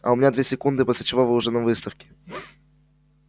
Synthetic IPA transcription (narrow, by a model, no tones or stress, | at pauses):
ɐ̰ʊmʲɪnʲad̪vʲesʲɪkund̪ɨposʲlʲɪt͡ɕɪvovɨʊʐɛnɐmvɨst̪əfkʲɪ̥